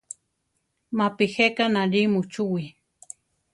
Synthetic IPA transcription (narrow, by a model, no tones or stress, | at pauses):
mapixekanaɾimut͡ʃuwi